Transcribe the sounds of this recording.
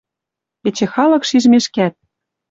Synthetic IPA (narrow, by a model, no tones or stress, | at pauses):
et͡ɕĕxɑlɤ̆kʃiʒmeʃkæt̪̚